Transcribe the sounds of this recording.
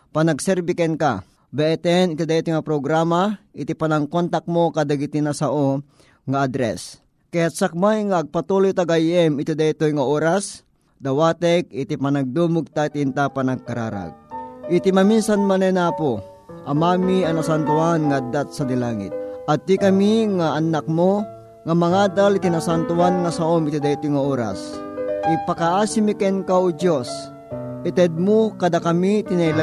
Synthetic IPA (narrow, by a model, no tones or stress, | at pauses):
panɐɡsɛɾbikɛnka̰ | bɛɛt̪ɛnɪt̪id̪ait̪ojŋapɾoɡɾaːmaʔɪt̪ipanaŋkont̪ak̚mokad̪aɡit̪inasaʔo | ŋaʔad̪ɾɛ̰s | kɐjat̪̚sak̚majŋaːɡ̚pat̪ulojt̪aɡajɛmɪt̪id̪ait̪ojŋaoːɾas | d̪ɐwaːt̪ɛk̚ɪt̪ipanɐɡ̚d̪umʊɡ̚t̪ait̪int̪apanaɡ̚kaɾa̰ːɾa̰ɡ̚ʔɪt̪imaminsanmanɐjnaːpo | ʔɐmamiɐnasant̪ʊanŋaad̪at̪̚sɐd̪ilaːŋɪ̰t̪̚ɐt̪ːikɐmiŋaʔːnak̚mo | ŋamɐŋaːd̪alɪt̪inasant̪ʊanŋɐsaomɪt̪id̪ait̪ojŋaoːɾa̰sʔɪpakaʔaːsimikɛnkaʊd͡ʒos | ʔɪt̪ɛd̪̚mokɐd̪akɐmit̪inala